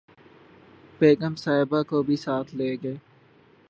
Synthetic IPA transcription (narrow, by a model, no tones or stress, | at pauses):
peːkəmsaːɪbakobʱisaːt̪ʰleːɡəeː